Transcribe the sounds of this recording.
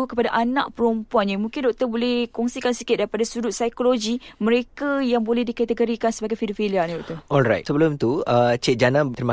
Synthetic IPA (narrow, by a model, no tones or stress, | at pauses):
ukəpadaʔanã̰ʔpəɾumpuanɲamũŋkɪndɔʔ̚t̪ərbolɛhkɔŋsikansikɪt̪̚daɾipadasudut̪̚sajkoloɡimə̃ɾekajaŋbolɛhdikat̪əɡoɾikansəbaɡajfidofiliandɔʔ̚t̪əɔlɾa̰jtsəbəlʊmt̪uət͡ʃɛt̪̚d͡ʒanãt̪əɾma